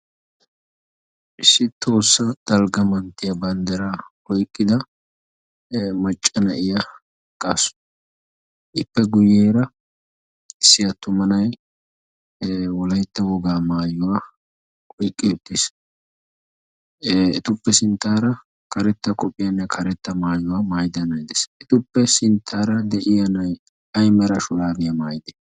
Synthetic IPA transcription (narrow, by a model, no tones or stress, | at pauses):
ʔɪsːɪt̪o̞ːsːɐt̪ʼɐlɡɐmɐnt̪ːɪjɐbɐnd̪ɐɾaʔɔjkʼːɪd̪ɐ | mɐt͡ʃʼːɐnɐʔɪjɐ | kʼaːsʊ̥ | ʔɪpːɛɡʊjeːɾɐ | ɪsːɪjɐt̪ʊmɐnɐj | wɔlɐjt̪ːɐwɔɡaːmaːjʊwa | kʼɔjkʼːɪjɔt̪ːɪs | ɛ̰t̪ʊpːɛsɪnt̪ːaːɾɐ | kɐɾɛt̪ːɐkʼɔpʼːɪjɐnːɛkʰɐɾɛt̪ːɐmaːjʊwaːmaːjd̪ɐnɐjd̪ɛsɛt̪ʊpːɛsɪnt̪ʰːaːɾɐd̪ɛʔɪjɐnɐj | ɐjmɛɾɐʃʊlaːbɪjɐmaːjd̪ɛ̥